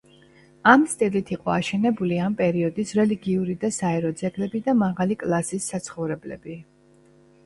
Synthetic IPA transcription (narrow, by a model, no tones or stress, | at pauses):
amst̪ʼilit̪ʰiqʼɔaʃɛnɛbuliampʼɛɾiɔd̪isɾɛliɡiuɾid̪asaɛɾɔd̪zɛɡlɛbid̪amaʁalikʼlˠasisːat̪sʰχɔvɾɛblɛ̰bi